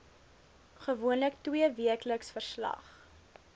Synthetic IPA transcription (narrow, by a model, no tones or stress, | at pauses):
χəvuənləktwiəviəkləksfərslɐ̰χ